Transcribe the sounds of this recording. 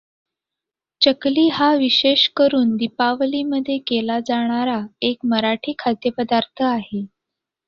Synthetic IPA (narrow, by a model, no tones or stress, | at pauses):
t͡ɕəkliːɦaʋiɕeɕkəɾuːnd̪ipaʋliːməd̪ʱːjekelad͡zaɽ̃aɾaekməɾaʈʰiːkʰat̪jəpəd̪aɾt̪ʰəaɦe